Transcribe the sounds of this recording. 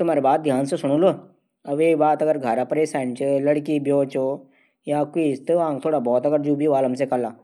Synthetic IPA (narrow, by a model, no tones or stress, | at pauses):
t̪ʊm̤aːɾebaːt̪̚d̪ʱjaːnsesʊɽ̃oloː | ɐbeːbaːt̪ɐɡəɾɡʱaːɾapɐɾesɛɳt͡ʃeləɽkibjoːt͡ʃo | jaːkist̪ãːŋɡ̚t̪ʰoːɽabɔːt̪ɐɡəɾd͡ʒuːbʱiʋaːlɐmsekəlaː